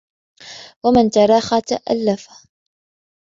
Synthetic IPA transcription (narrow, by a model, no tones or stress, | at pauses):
wamɪnt̪ɑɾˤɑːxat̪aʔa̰lːafa